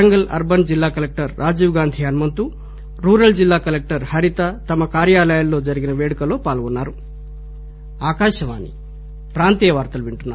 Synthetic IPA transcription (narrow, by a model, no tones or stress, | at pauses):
ɐŋɡɐlɐ̰ɾbɐnd͡ʒilːaːkɐlek̚ʈɐɾɾʔaːd͡ʒiːʋɡaːnd̪ʱiɐnmɐnt̪u | ɾuːɾɐld͡ʒilːaːkɐlek̚ʈɐɾhɐɾit̪ɐt̪ɐmɐkaːɾjaːlɐjɐlːo̞ːd͡ʒɐɾiɡinɐʋeːɽukɐlo̞ːpaːlɡonːaːɾu | aːkaːʃɐʋa̰ːnːḭ | pɾaːnt̪ijɐʋaːɾt̪ɐluʋiɳʈunːaː